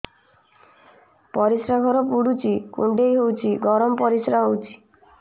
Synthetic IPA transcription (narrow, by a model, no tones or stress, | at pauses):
pɔɾisɾaɡʱɔɾɔpuɽut͡ʃʰikṵɳɖejɦowt͡ʃʰiɡɔɾɔmɔpɔɾisɾaɦowt͡ʃʰi̥